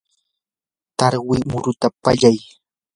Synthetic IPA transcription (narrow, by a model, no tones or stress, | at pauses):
t̪aɾwɪmʊɾʊt̪apaʎaj